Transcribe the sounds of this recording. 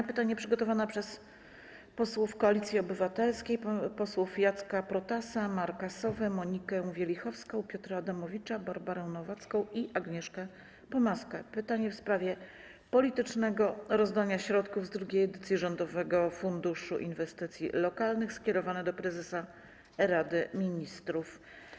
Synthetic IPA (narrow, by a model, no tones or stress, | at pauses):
pɘt̪aɲɛpʂɘɡɔt̪ɔvanapʂɛs | pɔswufkɔalʲit̪sʲjiɔbɘvat̪ɛlskʲejpɔswufjat̪skapɾɔt̪asamaɾkasɔvɛmɔɲikɛvʲjɛlʲixɔfskɔ̃w̃pʲjɔt̪ɾaad̪amɔvʲit͡ʂabaɾbaɾɛw̃nɔvat̪skɔ̃w̃iʔaɡɲɛʂkɛ | pɔmaskɛpɘt̪aɲɛfspɾavʲjɛ | pɔlʲit̪ɘt͡ʂnɛɡɔɾɔzd̪aɲaɕɾɔt̪kuvzd̪ɾuɡʲejɛd̪ɘt̪sʲjiʐɔnd̪ɔvɛɡɔfund̪uʂṵʔḭnvɛst̪ɘt̪sʲjḭlɔkalnɘxskʲɛɾɔvanɛd̪ɔpɾɛzɛsa | ɾad̪ɘmʲiɲist̪ɾuf